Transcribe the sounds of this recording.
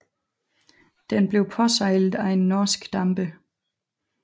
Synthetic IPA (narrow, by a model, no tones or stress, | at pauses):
d̥enb̥le̝ʊpʰɒ̽sɑ̈ɪ̰lð̩ˠæe̝nːɒːsɡ̥d̥ɑ̈mb̥ə